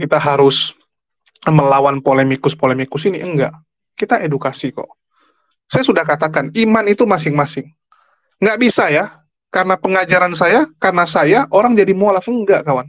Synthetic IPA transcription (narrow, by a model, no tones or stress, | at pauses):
kit̪aɦaɾʊs | məlawanpolemikʊspolemikʊsiniəŋɡa̰ʔ | kit̪aʔedukasikɔ̰ʔ | sajasudahkat̪akanimanit̪umas̬ɪŋmasɪŋː | ɡaʔbisaja | kaɾənapəŋad͡ʒaɾansajakaɾənasajaʔoɾaŋd͡ʒadimolafəŋɡaʔkawan